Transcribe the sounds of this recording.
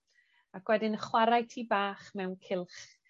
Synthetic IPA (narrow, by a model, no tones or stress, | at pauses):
akwɛdɪnəχwaɾajtʰiːbaːχmɛwnkʰɪlˠχ